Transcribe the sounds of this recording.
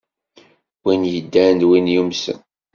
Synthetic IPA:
winjəd̪ːænd̪winjumsə̰n

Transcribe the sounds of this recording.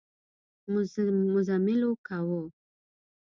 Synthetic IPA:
mmʊzamɪlokawo

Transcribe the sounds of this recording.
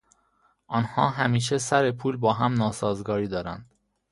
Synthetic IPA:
ʔɒːnhɒ̰ːɦæmiːʃ̬e̞sæɾe̞pʰuːlbɒːɦæmnɒːsɒːzɡɒːɾiːd̪ɒːɾænd̪̥

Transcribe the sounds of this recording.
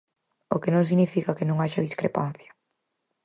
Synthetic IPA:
o̰kɪnõŋs̬iɣnifikɐkɪnõŋaʃɐðiskɾḛpa̰n̟θjɐ̥

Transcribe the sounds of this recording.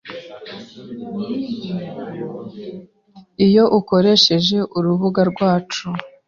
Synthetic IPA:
ijo̞ʔuko̞ɾe̞ʃe̞ʒe̞ʔuɾuβuɡaɾɡwaːt͡ʃu

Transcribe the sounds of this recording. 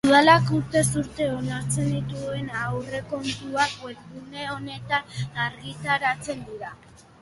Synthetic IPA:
uðalakuɾt̪e̞s̬uɾt̪e̞o̞naɾt͡se̞nd̪it̪ue̞nawre̞ko̞nt̪uakweɾðune̞o̞ne̞t̪anaɾɣit̪aɾat͡se̞nd̪iɾa

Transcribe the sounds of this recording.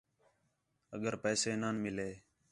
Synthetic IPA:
əɠəɾpɛːseːnaːnmɪleː

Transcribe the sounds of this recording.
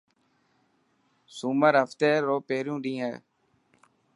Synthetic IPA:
suːməɾɦəft̪eːɾoːpeːɾjũːɗĩːɦɛ̰ː

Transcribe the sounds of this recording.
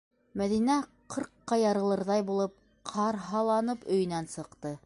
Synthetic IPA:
mæðinæqɤ̆ɾqːɑjɑɾɤ̆lˠɤ̆ɾðɑjbulˠɤp̚ | qʰɑɾɦɑlˠɑnɤpɵ̆jɵ̆nænsɤ̆qt̪ɤ

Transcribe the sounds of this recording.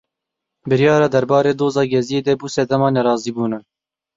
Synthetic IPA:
bɨɾjɑːɾɑːd̪ɛɾbɑːɾeːd̪oːzɑːɡɛzijeːd̪ɛbuːsɛd̪ɛmɑːnɛɾɑːziːbuːnɑː

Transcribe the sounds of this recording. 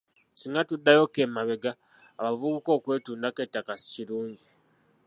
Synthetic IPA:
siŋɡatudːajo̞ke̞maβe̞ɡaː | βavuβuko̞ːkwe̞ːtuːndake̞tːakasi̥ciɾuːɲɟi

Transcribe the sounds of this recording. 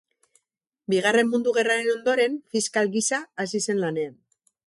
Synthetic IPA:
biɣ̞are̞mːund̪uɣ̞e̞raɾe̞no̞nd̪o̞ɾe̞ɱfiskalɣisaːsise̞nlane̞an

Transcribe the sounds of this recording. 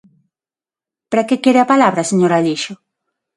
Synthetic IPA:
paɾakekjeɾeapalaβɾaseɲoɾaʎiʃo

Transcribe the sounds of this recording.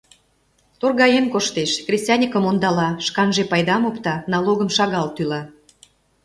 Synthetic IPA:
t̪orɣɑjemkoʃt̪eʃkrʲesʲt̪ʲɑnʲikə̆mond̪ɑlɑʃkɑnʒepɑjd̪ɑmopt̪ɑnɑloɣə̆mʃɑɣɑlt̪ylɑ

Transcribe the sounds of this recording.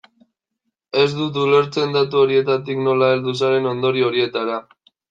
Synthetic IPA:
e̞zd̪ut̪̬ule̞ɾt͡se̞nd̪at̪uo̞ɾie̞t̪at̪̬ikno̞lae̞ld̪us̬aɾe̞no̞nd̪o̞ɾio̞ɾie̞t̪aɾa

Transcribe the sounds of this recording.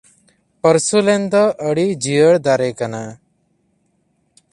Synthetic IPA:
pəɾsulɛnd̪ɔʔəɽid͡ʒijəɽd̪aɾɛkana

